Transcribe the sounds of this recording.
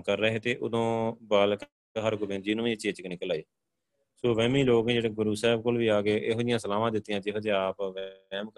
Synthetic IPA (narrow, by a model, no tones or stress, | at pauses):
kəɾːəɦeːt̪eːʔʊ̰d̪õːbaːlk | ɦəɾkʊbẽːnd͡ʒiːnũːĩːt͡ʃːeːt͡ʃknɪkəlaːiː | soːʋɛ̃ːmĩːloːkẽːd͡ʒeːɽeːɡʊɾuːsɛːb̚koːlʋiːaːɡeːʔeːɦoːdɪjãːsəlaːʋãːd̪ɪt̪ːɪjãːd͡ʒeɦoːd̪ẽaːpːm